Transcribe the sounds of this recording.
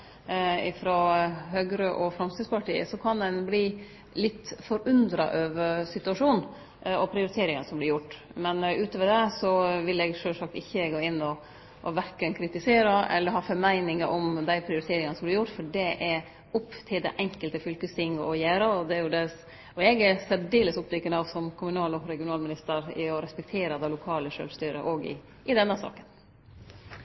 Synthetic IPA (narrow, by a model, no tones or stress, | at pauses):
ɪfɾɔɦøːɡɾəʔɔfɾɑmst̪ɪspʰɑʈʰiːə̰sɔkʰɑnd̪ɛnbliː | lɪt̪ːfɔɾʉnd̪ɾɑ̰ʔøːʋəɾsɪt̪ʉɑʂuːn | ɔpʰɾɪʊɾɪt̪ʰeːɾɪŋənəsɔmblɪɾjʊʈːmɛnʉːt̪əʋəɖ̪ɛsɔʋɪlɛːɡʂøːsɑk̚t̪ɪçːəɡoːɪnːɔ | ʔɔʋæɾkənkʰɾɪt̪ɪseːɾəɛ̰lːəɾhɑːfɔɾmæɪnɪŋəʔɔmd̪æɪpʰɾɪʊɾɪt̪ʰeːɾɪŋənəsɔmblɪɾjʊʈːfɔɖɛʔɛ | ʊpːt̪ʰɪld̪æʔɛŋkəlt̪əfʏlkəst̪ʰɪŋːʔɔjæːɾəɔd̪ɛæɾjʊd̪ɛ | ɔɛɡæsɛt̪ɖ̪eːləsʊpːd̪ɪkːənɑʋsɔmkʰʊmʉnɑːlɔɾɛɡɪʊnɑːlmɪnɪst̪əɾɪ̰ɔɾɛspɛk̚t̪ʰeːɾəd̪æɪlʊkʰɑːləʂø̰ːlst̪yːɾə̰ʔɔɡɪ̰ | ʔɪd̪ɛnːəsɑ̰ːkən